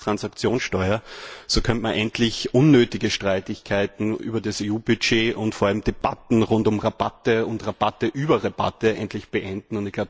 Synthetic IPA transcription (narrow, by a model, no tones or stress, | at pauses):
tʁ̥ansakt͡sjoːnsʃtɔʏɐsoːkʰœntmɐnʔɛntʰlɪçʔʊnːøːtɪɡəʃtʁ̥aɪtɪçkʰaɪtn̩ʔy̰ːbɐdaseːuːb̥ʏʃeːʔʊntfoɐalm̩d̥eb̥a̰tn̩ʁʊntʊmʁabatəʊntʁab̥atəʔyːbɐʁab̥a̰təʔɛntlɪçb̥əʔɛndn̩ʊntdɪçɡ̥laʊ